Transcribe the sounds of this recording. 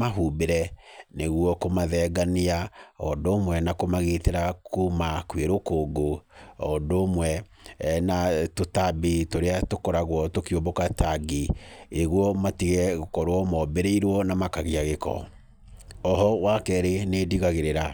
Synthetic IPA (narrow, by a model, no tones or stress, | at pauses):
maɦubeɾɛneɣwɔkomaðɛːɡaneaɔndoːmwɛnakomaɣeteɾakumakweɾokoːɡoɔndomwɛ | natotabetoɾeatokɔɾaɣwɔtokeobɔkataɡieɣwɔmatiɣɛɣokɔɾwɔmɔbeɾeiɾwɔnamakaɣeaɣekɔ̰ | ɔɦɔwakɛɾenediɣaɣeɾeɾa